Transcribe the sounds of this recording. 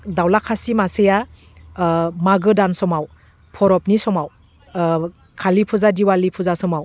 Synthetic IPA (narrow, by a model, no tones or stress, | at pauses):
dawlakʰasimaseja | maɡɯdansɔmaw | pʰɔɾɔp̚nisɔmaw | kʰalipʰuzadiwalipʰuzasɔmaw